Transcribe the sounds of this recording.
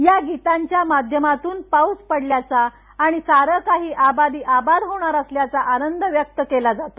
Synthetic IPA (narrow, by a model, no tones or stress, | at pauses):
jaɡit̪aɲt͡ɕjamad̪ʱjəmat̪uːnpauspəɽljat͡saː | ɽ̃isaɾəkaɦiːʔabad̪iːʔabad̪ɦoɽ̃aɾəsljat͡saʔanənd̪əʋjək̚t̪əkelad͡zat̪o